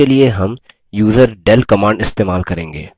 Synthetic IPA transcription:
elieɦɐm | juːzəɾɖɛlkɐmãːɳɖɪst̪eːmaːlkɐɾẽːŋɡḛː

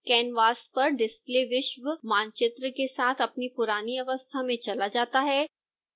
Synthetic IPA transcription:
kɛːnʋaːspɐɾɖɪspleːʋɪʃʋəmãːnt͡ʃɪt̪ɾəkesaːt̪ʰɐpnipʊɾaːniɐʋəst̪ʰamẽt͡ʃɐlad͡ʒaːt̪aɦɛː

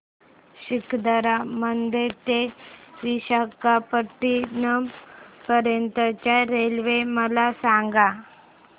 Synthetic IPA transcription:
ɕikd̪əɾamənd̪ʱet̪eʋiɕakapəʈːinəmpəɾjənt̪ət͡ɕjaɾelʋeməlasaŋɡa

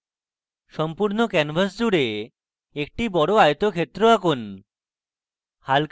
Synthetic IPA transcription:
ʃɔmpuɾnokɛnbʱas̬d͡ʑuɽe | ek̚ʈibɔɽoajt̪okʰet̪ːɾoakon | halk

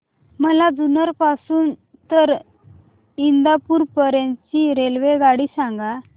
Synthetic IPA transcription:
məlad͡zunəɾpasuːn | t̪əɾ | ind̪apuːɾpəɾãnt͡ɕiɾelʋeɡaɽiːsãŋɡa

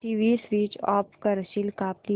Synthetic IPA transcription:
iːʋiːsʋiːt͡ʃɔːpkɐɾʃilkaːpli

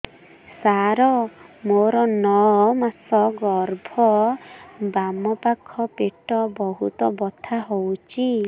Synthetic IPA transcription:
saɾɔmoɾɔnɔmasɔɡɔɾbʱɔ | bamɔpakʰɔpeʈɔbɔɦut̪ɔbɔt̪ʰaɦowt͡ʃʰi

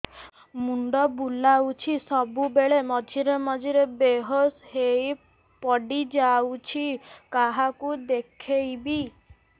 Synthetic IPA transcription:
muɳɖɔbulawt͡ʃʰisɔbubeɭemɔd͡ʒʱiɾemɔd͡ʒiɾebeɦɔshej | pɔɖid͡ʒawt͡ʃʰikaɦakud̪ekʰejbi

